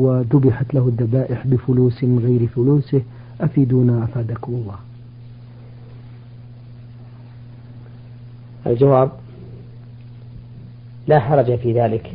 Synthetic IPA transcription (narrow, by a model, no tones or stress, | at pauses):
waðʊbɪħat̪lahʊðːabaːʔɪħbɪfʊluːsmɪnɣajɾfʊluːsɪh | ʔafiːd̪uːnaʔafaːd̪akʊwɑlːaːh | ʔa̰ld͡ʒawaːb | laːħɑɾˤɑd͡ʒafiðaːlɪk